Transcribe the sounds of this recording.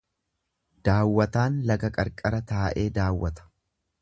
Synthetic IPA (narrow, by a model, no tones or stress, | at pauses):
d̪̥aːwːɐt̪aːnlɐɡɐkʼɐɾkʼɐɾɐt̪aːʔe̞ːd̪aːwːɐt̪ɐ̥